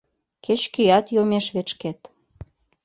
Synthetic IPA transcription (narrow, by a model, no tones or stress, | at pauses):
ket͡ɕkyjɑt̪jomeʃβet͡ɕket̪